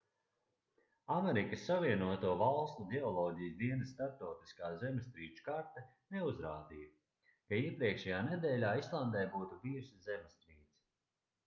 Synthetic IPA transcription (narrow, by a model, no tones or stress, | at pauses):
amɛɾikəsːaviɛnuɔt̪uɔvalˠst̪uɡ̪ʲɛɔlˠɔːɟijzd̪iɛnəsːt̪aɾp̚t̪ɔwt̪i̥skaːzɛmst̪ɾiːt͡ʃu̥kaɾt̪ɐ | neuzɾaːd̪ijɐ | kaiɛpɾiɛkʃɛjaːned̪ɛːlʲaːislˠand̪ɛjbuːt̪uviːɾszʲɛmst̪ɾiːt̪s